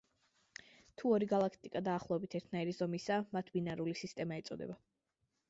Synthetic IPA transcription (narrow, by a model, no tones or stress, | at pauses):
t̪ʰuɔɾiɡalˠakʰt̪ʼikʼad̪aːχlˠɔɛbit̪ʰɛɾt̪ʰnaiɾizɔmisamat̪ʰbinaɾulisist̪ʼɛmaɛt̪sʼɔd̪ɛ̰ba